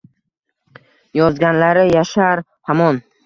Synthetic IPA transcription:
jɒzɡʲanlaɾɪjaʃaɾ | hamɒn

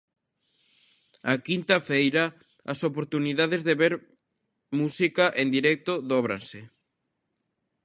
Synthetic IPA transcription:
ɐkint̪ɐfejɾɐ | ɐsopoɾt̪uniðaðezðeβeɾ | musikɐʔend̪iɾɛk̚t̪oðɔβ̞ɾa̰nsɪ

